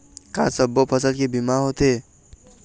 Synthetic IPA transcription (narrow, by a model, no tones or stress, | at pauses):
kasəbːopʰəsəlkebimaɦot̪e